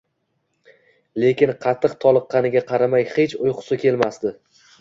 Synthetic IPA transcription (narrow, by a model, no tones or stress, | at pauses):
le̞kʲɪnqʰɑt̪ʰːɨqt̪ʰɒlˠɨqːɑnɪɡʲaqʰɑɾamajχe̞t͡ʃʊjqʰʊ̥sɪkʲʰe̞lmasd̪ɪ